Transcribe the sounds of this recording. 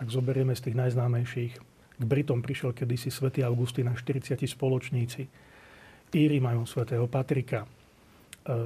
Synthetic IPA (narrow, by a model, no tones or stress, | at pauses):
ʔaɡzɔbɛɾɪɛmɛst̪iːɣnajznaːmɛjʃiːx | ɡbɾit̪ɔmpɾiʃɪɛlkɛd̪isisʋɛt̪iːaʊɡust̪iːnaʃt̪iɾit͡sɪacispɔlɔt͡ʃɲiːt͡si | iːɾimajumsʋɛt̪ɛːɦɔpat̪ɾika